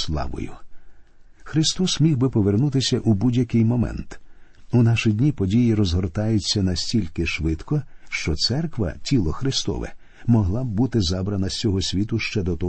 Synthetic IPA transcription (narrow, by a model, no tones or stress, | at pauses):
slˠɑ̰ʋɔ̰jʊ̰ | xɾɪst̪ɔsmʲiwbɪpɔʋernut̪ɪsʲɐʔubudʲjɐkɪjmɔmɛ̰nt̪unɑʃɪdʲnʲipɔdʲijiɾɔzɦɔrt̪ɑjʊt͡sʲːɐnɐsʲtʲilʲkɪʃʋɪd̪kɔʃt͡ʃɔt̪sɛrkʋɐ̰tʲilˠɔxɾɪst̪ɔ̰ʋɛ̰ | mɔɦlˠab̚ːut̪ɪzɑbɾɐnɐsʲt͡sʲɔɦɔsʲʋʲit̪ʊʃt͡ʃɛd̪ɔt̪ɔ